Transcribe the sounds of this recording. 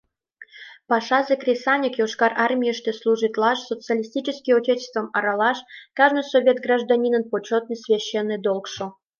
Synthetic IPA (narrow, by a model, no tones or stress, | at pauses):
pɑʂɑzəkrʲɪsanʲikjoʂkɑrʔɑrmʲijəʂt̪eslˠuʐɨt̪lˠɑʂsot̪t͡sɨalʲisʲtʲit͡ɕəskʲijut̪ʲet̪ʲɪ̥st̪vəmɑɾɑlɑʂkɑʐnɨjsovʲet̪ɡraʐd̪anʲinənpot͡ɕot̪̚nɨjsvʲeɕːenːɨjd̪olˠkʂo